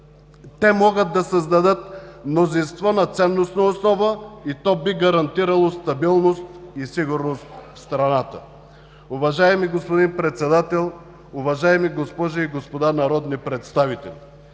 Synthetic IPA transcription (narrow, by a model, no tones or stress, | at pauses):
t̪ɛmɔɡəd̪̚d̪ːɐsəzd̪ɐd̪ɤt̪mnozinst̪vɔnɐt̪sɛnːosnəosnɔvəit̪ɔbiɡɐɾɐnt̪iɾɐlˠost̪ɐbilˠnost̪isiɡʊɾnost̪fst̪ɾɐnat̪ə̰ | ʊvɐʒaɛmiɡospod̪inpɾɛt̪sɛd̪at̪ɛlˠ | ʊvɐʒaɛmiɡospɔʒɐiɡospod̪anɐɾɔd̪nipɾɛt̪st̪avit̪ɛlʲ